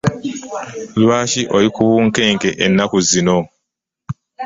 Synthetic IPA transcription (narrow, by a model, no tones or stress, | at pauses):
lwaːciʔolikuβuːŋke̞ːŋkeʔenːakuzino̞